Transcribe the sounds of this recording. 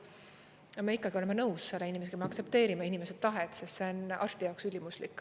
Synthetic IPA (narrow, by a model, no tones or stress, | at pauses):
jɑme̞ikːˑɑɡio̞lemenɤwsːe̞lːeinʲimesekɑmeɑkt̪se̞p̚t̪e̞ːɾimeinime̞sed̪̥̚t̪ːɑɦet̪ˑsest̪seonʔɑ̰rst̪ijɑoksylʲimuslikːˑ